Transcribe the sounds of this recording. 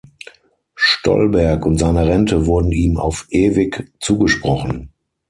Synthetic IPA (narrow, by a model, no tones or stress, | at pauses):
ʃtʰɔ̰lbɛɐkʊntz̥aɪnəʁɛntəvʊɐdn̩iːma̰ʊfʔeːvɪkt͡suːɡəʃpʁ̥ɔχn̩